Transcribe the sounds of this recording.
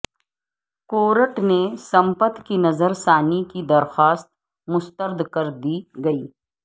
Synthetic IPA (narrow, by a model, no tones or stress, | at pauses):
koːɾəʈnesɐ̃mpət̪kinɐzəɾsaːnikid̪ɐɾxaːst̪̚ | mʊst̪əɾd̪kɐɾd̪iɡɐiː